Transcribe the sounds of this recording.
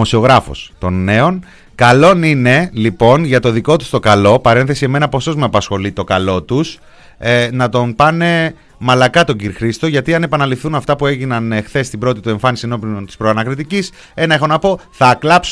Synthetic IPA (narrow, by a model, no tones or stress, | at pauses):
osio̞ɣɾɐfo̰st̪o̞nːe̞o̞n | kɐlo̞nine̞lipo̞nʝɐt̪o̞ðiko̞t̪u̥st̪o̞kɐlo̞pɐɾe̞nθe̞siemenɐpo̞so̞zmeɐpɐsxo̞lit̪o̞kɐlo̞t̪us | nɐt̪o̞npɐne̞ | mɐlɐkɐt̪o̞ɟiɾixɾist̪o̞ʝɐt̪iɐne̞pɐnɐlifθunɐft̪ɐpue̞ʝinɐnexθe̞st̪ibɾo̞t̪it̪ue̞ɱfɐnisieno̞pont̪i̥spɾoɐnɐkɾit̪icis | e̞nɐexo̞nɐpo̞θɐːklɐps